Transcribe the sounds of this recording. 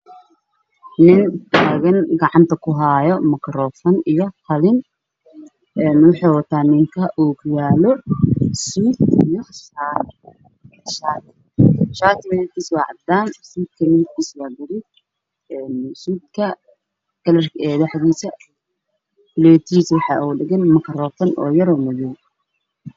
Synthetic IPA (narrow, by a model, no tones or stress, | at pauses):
nɪnt̪ʰaːɣɐnɡɑʕɑnt̪ʰɐkʰʊɦajɔmɐkɾɔːfɔnijɔfʰɐlɪn | ɛnwʊħɑjwɐt̪ʰaːnɪŋkʰɐʔɔːɡjaːlɔsuːd̪ijɔʃaːt̪ | ʃaːt̪ʰɪ | ʃaːt̪ʰɪbɪlɛt̪ʰiːswɑːʕɑd̪aːnsuːd̪̚kʰɐnɪŋkʰiːswaːɡɐɾɪd̪ | ɛːnsuːd̪kʰɐ | ɡ̥ɐlɐrkɛːðɐħd̪iːsɐ | bɪlɛt̪ʰiːswɑħɑːuːɖɪɣɛnmɐkʰɾɔːfɐnʔɔ̰ːjɐɾɔːmʊðɔj